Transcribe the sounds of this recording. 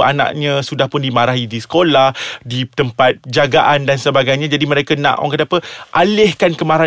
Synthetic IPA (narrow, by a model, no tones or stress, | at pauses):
a̰nã̰ʔɲãsudahpʊndimãɾaɦidisə̥kolahdit̪əmpat̪̚d͡ʒaɡaʔandansəbaɡajɲãd͡ʒadiməɾekanã̰ʔwa̰ŋkatapəʔalɪhkankəmaɾa